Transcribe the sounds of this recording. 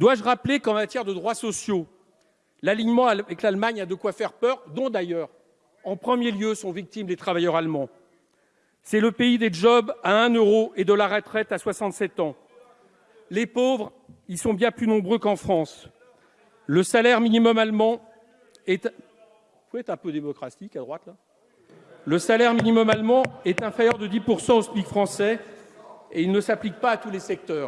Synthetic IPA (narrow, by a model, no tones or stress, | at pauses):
d̪̥waʒʁaplekɑ̃mat̪jɛʁd̪əd̪ʁwasɔsjo | laliɲmɑ̃avɛklalmaɲad̪əkwafɛʁpœʁd̪ɔ̃d̪ajœːʁ | ɑ̃pχəmjeljøsɔ̃vik̚t̪imd̪et̪χavajœʁalmɑ̃ | sɛləpeid̪eʒɔbaɛ̃nøʁoʔed̪əlaʁət̪χɛt̪aswasɑ̃t̪sɛt̪ɑ̃ | lepovʁ | ilsɔ̃bjɛ̃plynɔ̃bʁøkɑ̃fχɑ̃s | ləsalɛʁminimɔmalmɑ̃ | ɛt̪ | fwɛt̪χɛ̃pød̪emɔkχasikad̪ʁwat̪la | ləsalɛʁminimɔmalmɑ̃ɛt̪ɛ̃fɛʁjœʁd̪əd̪ipuʁsɑ̃ɔst̪likfχɑ̃sɛ | eilnəsaplik̚paːt̪ulesɛk̚t̪œːʁ